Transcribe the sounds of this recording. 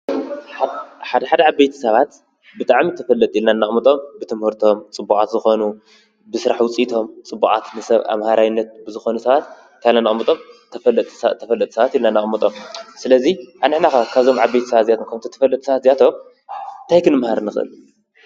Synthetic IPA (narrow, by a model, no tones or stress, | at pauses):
ħaħad̪ɐħad̪ɐʕabːejt̪ʰɐ̥sɐβat̪ | bɨt̪ʼaʕmit̪ʰɐfɐlːɐt̪ʼilnanːaχʼmɐt̪ʼo̞mbɨt̪ʰɨmhuɾt̪ʰo̞mt͡sʼɨbːukʼat̪zɨxo̞nu | bɨsɨɾaħwʊt͡sʼit̪ʰo̞mt͡sʼɨbːukʼa̰t̪nɨsɐβa̰mhaɾawinːɐt̪̚bɨzɨxo̞nɐsɐβat̪ | t̪ʰajalːanaχʼmːɐt̪ʼo̞m | lt̪ʼt̪ʰːɐfɐlːɐt̪ʼsɐβat̪ilnanːaχʼmɐt̪ʼo̞msɨlɐziʔanɨħnakakʰaβzo̞mʕabːejt̪ʰɐ̥sɐβat̪zijat̪ʰomkʰɐmt̪ʰot̪ʰɐ̥fɐlːɐt̪ʼsɐβat̪ziat̪ʰo̞m | ɨnt̪ʰajkɨnɨmhaɾnːɨxɨʔɨ̰l